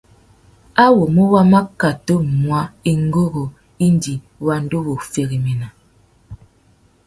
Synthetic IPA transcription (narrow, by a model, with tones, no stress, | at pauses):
a˦wo˨mu˦wa˦ma˦ka˨to˦mwa˦i˦ŋ˦ɡo˦ɣo˨ | i˦n˦di˨ | wa˦n˦do˦wo˨fe˨ɣi˨mi˨na˨